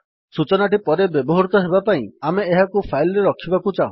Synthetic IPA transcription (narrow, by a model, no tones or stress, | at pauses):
sut͡ʃɔnaʈipɔɾebjɔbɔɦɔɾut̪ɔɦebapaĩameːɦakupʰajlɔɾeɾɔkʰibakut͡ʃaũ